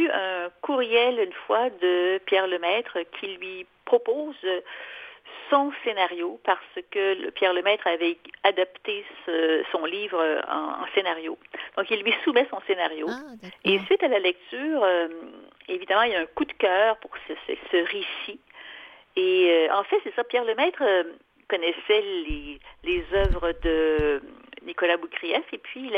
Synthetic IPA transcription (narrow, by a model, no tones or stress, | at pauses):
yœ̃kuʁjɛlynfwad̪əpjɛʁləmɛːt̪χəkʲʰilɥipχɔpoːz | sɔ̃senaʁjopaʁsəkʲə̰pjɛʁləmɛːt̪χavɛad̪apt̪esəsɔ̃livʁøɑ̰̃ɑ̰̃senaʁjod̪̥ɔ̃kilːɥisumɛsɔ̃senaʁjoesɥit̪alalɛk̚t̪yːʁø | evid̪amɑ̃ilaɛ̃kud̪kʲœːʁpuʁsəsɛ̰səʁesi | eøɑ̰̃fɛsɛsapjɛʁləmɛːt̪χø | kɔnɛsɛlelezœvʁəd̪ə | nikɔlabukʲʁiɛsepɥil